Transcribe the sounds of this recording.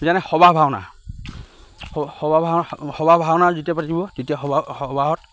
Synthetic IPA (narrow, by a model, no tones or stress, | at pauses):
zanɛxɔbabʱawna̰ | ɔɔbabʱaxɔbabʱaɔnazitiapatibɔtetiaxɔɔbaɦɔt̚